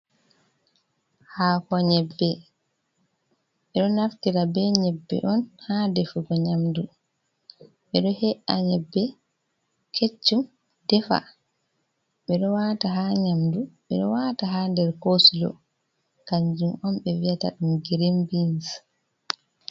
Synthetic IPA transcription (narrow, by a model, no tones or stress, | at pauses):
hakɔɲɛbːɛ | ɓɛɗɔnaftiɾabɛɲɛbːɛ̰ʔɔnhadɛfuɡɔɲamdu | ɓɛɗɔhɛʔaɲɛbːɛ | kʰet͡ʃːum | dɛfa̰ | ɓɛɗɔwaːtaɦaɲamduɓɛ̰ɗɔwaːtaɦandɛɾkosulɔ̰ | kaɲd͡ʒumʔɔmɓɛviata̰ɗumɡɛɾembins